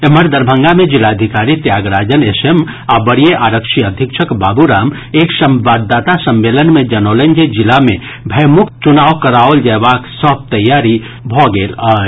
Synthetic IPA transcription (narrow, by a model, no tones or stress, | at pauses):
eməɾd̪əɾbʱə̃ŋɡamẽd͡ʒilad̪ʱikaːɾit̪jaːɡɾaːd͡ʒənesem | abəɽijeʔaːɾəkʃiəd̪ʱikʃʰəkbaːbuɾaːm | eːksəmʋaːd̪d̪aːt̪asəmːeːlənmẽd͡ʒɐnoːlənd͡ʒed͡ʒɪlamẽ | bʱəjmʊk̚t̪t͡ʃʊnaːwkəɾaːwld͡ʒɛʋaːksɔb̚t̪ɐjːaːɾi | bʱɔɡeːlaː